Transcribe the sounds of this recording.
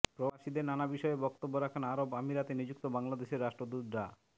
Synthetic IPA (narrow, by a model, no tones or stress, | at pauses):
pɾobaʃid̪eɾnanabiʃɔebɔk̚t̪obːoɾakʰanaɾobamiɾat̪enid͡ʑuk̚t̪obaŋlad̪eʃeɾːaʃʈɾod̪ud̪ɾa